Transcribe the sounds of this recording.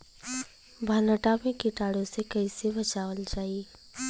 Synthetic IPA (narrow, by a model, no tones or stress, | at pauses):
bʱaləʈamẽkɪʈaːɽõsekɐisebɐt͡ʃaːwəld͡ʒaːiː